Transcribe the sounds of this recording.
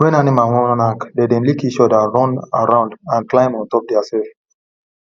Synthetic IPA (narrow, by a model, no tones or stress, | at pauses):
wɛ̃nanimawɔ̃ñnakdedɛ̃nlikit͡ʃɔdaɹɔ̃naɹãʊ̃ndãnklãɪ̃mɔ̃ntɔp̚dɛasɛlf